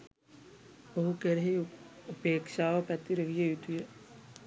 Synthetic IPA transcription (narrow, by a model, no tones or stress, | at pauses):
əɦukeɾɦeəpeːkʃaːʋɐpɛt̪iɾəɦijejut̪uje